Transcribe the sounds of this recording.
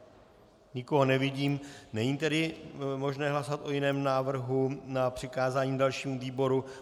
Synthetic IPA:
ɲɪko̞ɦonɛvɪɟiːmnɛɲiːt̪ɛdɪmo̞ʒnɛːɦlasoat̪ʔo̞jɪnɛːmnaːvr̩ɦunapr̝̥ɪkaːzaːɲiːmdalʃiːmuviːbo̞ɾu

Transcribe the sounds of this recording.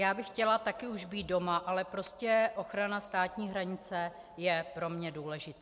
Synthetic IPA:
jaːbɪxcɛlat̪akɪuʒbiːt̪̚do̞maʔalɛpɾo̞scɛʔo̞xɾanast̪aːt̪ɲiːɦɾaɲɪt͡sɛ | jɛpɾo̞mɲɛduːlɛʒɪt̪ː

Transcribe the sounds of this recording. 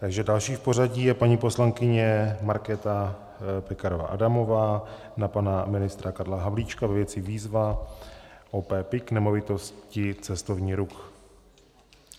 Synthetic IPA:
t̪aɡʒɛdalʃiːfpo̞ɾaɟiːjɛpaɲiːpo̞slaŋkɪɲɛmaɾkɛt̪a | pɛkaɾova̰ʔadamo̞vaː | napanamɪnɪst̪ɾakadlaɦavliːt͡ʃkavɛvjɛt͡sɪviːzva | ʔopɛːpɪknɛmo̞vɪt̪o̞scɪt͡sɛst̪o̞vɲiːɾux

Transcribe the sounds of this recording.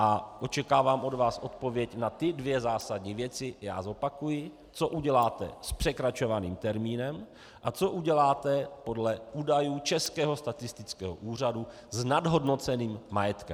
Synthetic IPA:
ʔaʔo̞t͡ʃɛkaːvaːmʔo̞dvaːsʔo̞t̪̚po̞vjɛcnat̪ɪdvjɛzaːsadɲivjɛt͡sɪja̰ːzo̞pakujɪ | t͡so̞ʔuɟɛlaːt̪ɛ̰spr̥ɛkɾat͡ʃo̞vanḭːmt̪ɛɾmiːnɛm | ʔat͡so̞ʔuɟɛlaːt̪ɛpo̞dlɛʔuːdajuːt͡ʃɛskɛːɦo̞st̪at̪ɪst̪ɪt͡skɛ̰ːɦo̰ʔuːr̝adu | znadɦo̞dno̞t͡sɛniːmːajɛt̪kɛm

